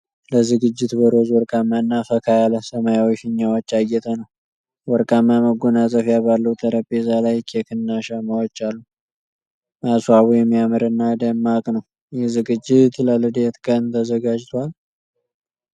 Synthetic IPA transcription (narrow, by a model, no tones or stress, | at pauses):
ləzɨɡɨd͡ʒːɪt̪bəɾozwɔɾkʼamːanːafəkʰajaləsəmajawɔʃɨɲːawot͡ʃːajːɛt̪ʰənəw | wɔɾkʼamːaməɡonat͡sʼəfjaβalːəwt̪ʰəɾəpʼːezalajkʰekʰɨnːaʃamawot͡ʃːalːu | maswaβujɛmːijamɨɾɨnːad̪əmːakʼnəw | jɛhzɨɡɨd͡ʒːɪt̪ləlɨd̪et̪kʼənt̪ʰəzəɡad͡ʒt̪ʰwal